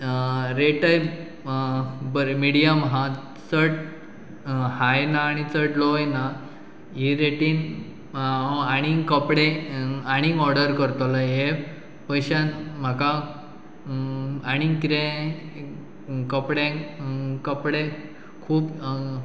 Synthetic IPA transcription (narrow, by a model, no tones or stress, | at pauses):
ɾeʈəj | bəɾmiɽijəmɦã | t͡səʈ | hajnaːɽ̃it͡səʈlojna | ɦiɾeʈiːn | aɽ̃ikəpɽẽaɽ̃iŋɡɔɾɽəɾkəɾt̪olaɦe | pəjɕanm̤aka | aɽ̃iŋkɾẽ | kəpɽẽ | kəpɽe | kʰuːp